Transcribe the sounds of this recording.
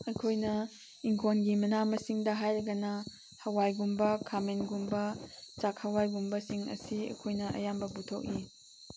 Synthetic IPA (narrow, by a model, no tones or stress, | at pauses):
ɐjkʰojnɐ | iŋkʰonɡimɐnamɐsiŋdɐɦajɾɐɡɐnɐ | hɐwajɡumbɐkʰamenɡumbɐt͡ʃakhawajɡumbɐsiŋɐ̰siɐ̰kʰojnɐʔɐ̰jambɐbutʰok̚i